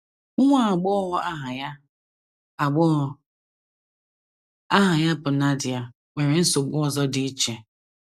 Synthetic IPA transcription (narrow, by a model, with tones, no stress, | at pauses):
ʊ˦ŋʷa˦a˨ɡ͡bɔ˦ɔ˦ɦʊ˦ʔa˦ɦa˨ja˦ | a˨ɡ͡bɔ˦˨ | a˦ɦa˨ja˦pʊ˨na˦dɪ˨a˨ | ŋʷe˨ɾe˨n̩˦so˨ɡ͡bʊ˦ɔ˦˨zɔ˦dɪ˦i˦t͡ʃe˨